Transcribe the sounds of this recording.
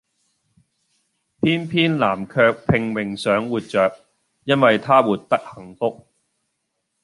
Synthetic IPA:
pʰiː˥npʰiː˥nlaː˨˩mkʰœː˧k̚pʰɪ˧ŋwɪ˨ŋsœː˨˥ŋwuː˨t̚t͡ʃœː˨k̚ | jɐ˥nwɐ˨jt̪ʰaː˥wuː˨˩t̚t̪ɐ˥k̚hɐ˨˩ŋfʊ˥k̚

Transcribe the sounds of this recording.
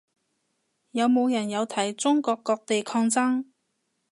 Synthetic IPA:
jɐ˨˧wmo˨˧wjɐ˨˩njɐ˨˧wt̪ʰɐ˨˩jt͡sʊ˥ŋkɔː˧kːɔː˧k̚t̪e˨jkʰɔː˧ŋt͡sɐ˥ŋ

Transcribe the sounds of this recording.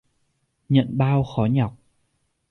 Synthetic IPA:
ɲə̰˧˨nɓaː˧wxɔ˨˦ɲa˨˩wk͡p̚

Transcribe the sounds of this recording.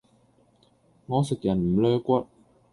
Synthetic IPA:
ŋɔː˨˧sɪ˨˩k̚jɐ˨˩nm̩˨˩lœː˧kʷɐ˥t̚

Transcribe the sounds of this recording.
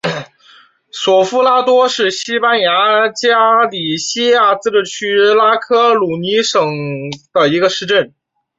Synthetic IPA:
swɔ˨˩fu˥˧la˥t̪wɔ˥ʂɻ̩˥˩ɕi˥pa˥nja˧˥t͡ɕja˥li˨˩ɕi˥ja˥˩t͡sɹ̩˥˧ʈ͡ʂɻ̩˥˩t͡ɕʰy˥la˥kʰɤ˥lu˨˩ni˧˥ʂɤ˨˩ŋd̪̥ə˧i˧˥ɡə˧ʂɻ̩˥˧ʈ͡ʂə˥˩n

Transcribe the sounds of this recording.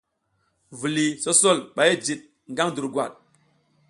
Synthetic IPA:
vu˨li˨so˦so˦˨lɓa˨je˦d͡ʒi˨t̚ | ŋɡa˦ŋdu˨ɾɡwa̰˨t̚

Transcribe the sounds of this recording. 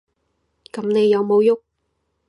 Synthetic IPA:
kɐ˨˥mne˨˧jːɐ˨˧wmo˨˧wjʊ˥k̚

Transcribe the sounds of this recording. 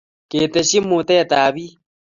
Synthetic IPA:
ke˨t̪e˨ʃi˦mːu˨t̪ɛ˦˨t̪aː˨βi˦

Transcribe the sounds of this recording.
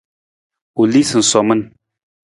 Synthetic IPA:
u˨li˦sɨ˨n̩˨sɔ˨mə˦n

